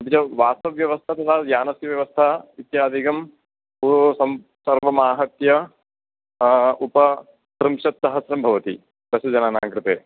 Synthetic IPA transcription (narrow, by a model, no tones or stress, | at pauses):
ɐt̪it͡ʃɐʋaːst̪ɐʋjɐʋɐst̪ʰɐt̪ʰɐt̪ʰaːd̪jaːnɐsjɐʋjɐʋɐst̪ʰait̪jaːd̪ʱikɐm | pusɐm | sɐɾʋɐmaːɦɐt̪jɐ | upɐ | t̪ɾɨmʃɐt̪ːɐɦɐsɾɐmbʱɐʋɐt̪ḭ | d̪ɐsjɐd͡ʒɐnaːna̰ːŋkɾɨt̪eː